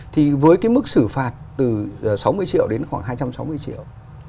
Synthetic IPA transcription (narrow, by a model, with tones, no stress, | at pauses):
t̪ʰi˨˩vəː˨˦jkaː˨˦jmɨ˦˥k̚sɨ˧˩faː˨˩t̚t̪ɨ˨˩˨sa˨˦wmɨ˧əjt͡ɕḭ˧˨əwɗe˨˦nxwaː˧˩ŋɦaː˧jt͡ɕa˧msa˨˦wmɨ˧əjt͡ɕḭ˧˨əw